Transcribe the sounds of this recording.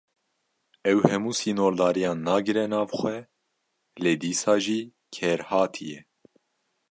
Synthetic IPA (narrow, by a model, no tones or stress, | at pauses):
ɛwhɛmuːsiːnoːɾd̪ɑːɾijɑːnːɑːɡɨɾɛnɑːvxʷɛ | leːd̪iːsɑːʒiː | kʰɛɾhɑːt̪ʰijɛ